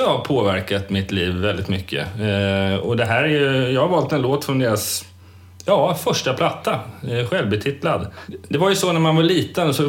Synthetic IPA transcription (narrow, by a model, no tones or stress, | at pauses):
ɑhapʰoːvæɾkat̪mɪt̪liːvːɛld̪ɪt̪mʏkʰːə̰ | ɔd̪ɛɦæːɾæɾjɵjɑːhaɾvɑːlt̪ɛnloːt̪fɾɔnd̪eːɾas | jɑːfœʂʈapʰlat̪ːaɧɛlvbɛt̪ʰɪt̪lad̪d̪ɛvaɾjɵsɔnæɾmanvaɭiːt̪ənsɔ